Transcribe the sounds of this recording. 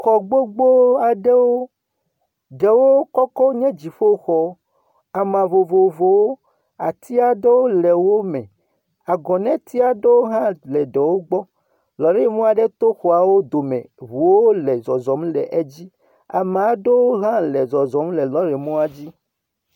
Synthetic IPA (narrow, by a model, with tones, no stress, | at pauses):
xɔ˨ɡ͡bo˦ɡ͡bo˦a˨ɖe˦wo˦ | ɖe˨wo˦kɔ˦kɔ˦ɲɛ̃˦d͡ʑi˨ɸo˦xɔ˦ | a˨mã˨vo˨vo˨vo˨wo˦ | a˨t̪i˦a˨ɖe˦wo˦lɛ˨wo˦mɛ̃˨ | a˨ɡɔ̃˨nɛ̃˦t̪i˦a˨ɖe˦wo˦ɦã˦lɛ˨ɖɛ˨wo˦ɡ͡bɔ˦ | lɔ˨ɾe˦mɔ̃˦a˨ɖe˦t̪o˦xɔ˨a˨wo˦d̪o˨mɛ̰̃˨βu˨wo˦lɛ˨zɔ˨zɔ˨˦mlɛ˨ʔe˦d͡ʑi˦ | a̰˨m˨a˨ɖe˦wo˦ɦã˦lɛ˨zɔ˨zɔ˨˦mlɛ˨lɔ˦ɾɛ˨mɔ̃˦a˨d͡ʑi˦